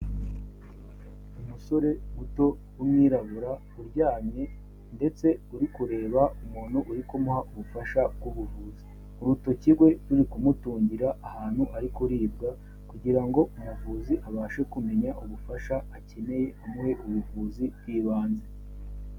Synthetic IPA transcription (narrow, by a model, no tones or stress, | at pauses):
umuso̞ɾe̞muto̞ | umŋiːɾaβuɾa | uɾɟaːmɲe̞ | nde̞t͡se̞uɾikuɾe̞ːβaumuːn̤̥uʔuɾikomuhaʔuβufaʃabɡuβuvuːzi | uɾuto̞ciɡwe̞tuɾikumutuːɲɟiɾaʔːhaːn̥huʔaɾikuɾiːbɡa | kuɟiɾaŋɡo̞umuvuːziʔaβaːʃe̞kume̞ɲaʔuβufaʃaːce̞ne̞je̞ʔomuhe̞ʔuβuvuːzibjiːβaːnze